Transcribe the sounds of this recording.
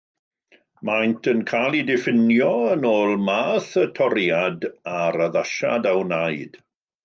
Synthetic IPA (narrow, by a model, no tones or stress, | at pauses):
majntʰənkʰajlˠidɪfɪnjɔənoːlˠmaːθətʰɔɾjadaɾaðaʃa̰dawnaɨd̥